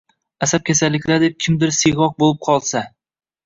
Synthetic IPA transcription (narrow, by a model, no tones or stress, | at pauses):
asap̚kʲʰesalːɪkʲlad̪ep̚kʲʰɪmd̪ɪɾseʁɒq̚bolˠɪp̚qʰɒlˠsa